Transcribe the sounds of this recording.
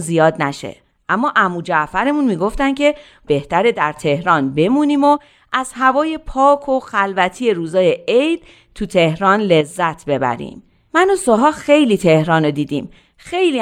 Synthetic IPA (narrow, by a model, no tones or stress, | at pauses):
nzijɒːd̪næʃḛ | ʔæmːɒːʔæmuːd͡ʒæʔfæɾemunmiːɡo̞ft̪ænd̪cʰe̞ | b̥e̞ht̪ʰæɾed̪æɾt̪ʰe̞hɾɒːnbe̞muːniːmo | ʔæz̥hævɒːje̞pʰɒːkʰo̞xælvæt̪ʰije̞ɾuːzɒːje̞ejd | t̪ʰut̪ʰe̞hɾɒːnle̞zːæt̪ʰbe̞bæ̰ɾḭːm | mænosoɦɒːxe̞jliːt̪ʰe̞hɾɒːnod̪iːd̪ḭːm | xe̞jliː